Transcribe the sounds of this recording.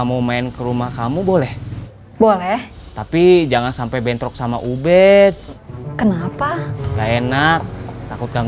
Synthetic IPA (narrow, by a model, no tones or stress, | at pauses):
amumaɪnkəɾumahkamubolɛh | bolɛh | t̪apid͡ʒaŋansampabɛnt̪ɾɔk̚sama̰ʔubɛt̪̚kənapakaenat̚t̪akʊt̪̚ɡaŋ